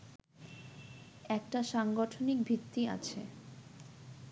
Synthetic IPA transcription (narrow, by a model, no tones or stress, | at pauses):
ɛk̚ʈaʃaŋɡoʈʰonik̚bʱit̪ːia̰t͡ɕʰe